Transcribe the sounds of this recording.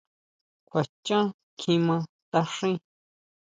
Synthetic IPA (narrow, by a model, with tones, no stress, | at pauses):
kʷa˨t͡ʃã˦ | kʰĩ˧mã˧ | t̪a˧ʂĩ˦